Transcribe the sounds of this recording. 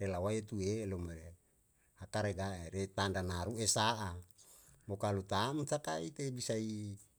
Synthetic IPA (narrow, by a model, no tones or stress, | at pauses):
relawaet̪uelomeɾe | hakaɾeɡaeɾet̪andanaɾuesaʔa | mokalut̪amt̪aka̰it̪ebisai